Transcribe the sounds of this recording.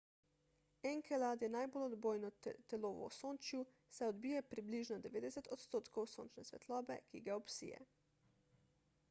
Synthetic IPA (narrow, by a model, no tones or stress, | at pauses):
ɛŋkɛlad̪jɛnajbolɔd̪boːjnɔt̪ɛloʋɔ̰soːnt͡ʃju | sɛɔd̪biːjɛpɾibliʒnɔd̪ɛʋeːd̪ɛsɛt̪ɔt̪st̪oːt̪kɔwso̰ːnt͡ʃnɛsʋɛ̰t̪lɔːbɛ̰kḭɡaɔpsḭːjɛ̰